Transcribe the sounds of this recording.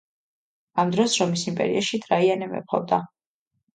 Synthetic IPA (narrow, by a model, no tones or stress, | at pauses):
amd̪ɾɔsɾɔmisimpʼɛ̰ɾḭaʃit̪ʼɾaianɛmɛ̰pχɔ̰vd̪a